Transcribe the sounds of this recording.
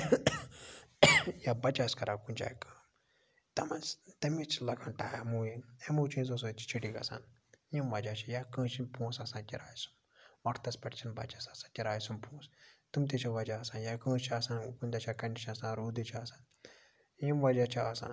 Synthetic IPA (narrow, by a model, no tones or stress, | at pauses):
jabɐt͡ʃaskɐɾʔaːkunʲt͡ʃa̰ːjkə̥ːm | t̪ɐmɐnst̪ɐmit͡ʃʰlɐɡʰɐnʈaːjamuːjinemut͡ʃʰĩz̬os̬ot͡ʃʰi̥t͡ʃʰiʈikɐ̰sa̰ːn | jimʋɐd͡ʒaːt͡ʃʰijakə̃ːt͡ʃinpõːsasãːkʲiɾaːjsu̥m | ʋɐʈʰt̪ɐspʲɐʈt͡ʃʰinbɐ̰t͡ʃasasãːkʲiɾaːjsumpõːst̪umt̪̬it͡ʃʰiʋɐd͡ʒaːsãːnjakə̃ːst͡ʃʰiaːsaːnkunʲd̪at͡ʃʰakɐnɖit͡ʃʰnɐsãːnɾoːd̪it͡ʃʰiasaːn | jimʋɐd͡ʒat͡ʃʰaasã̰ː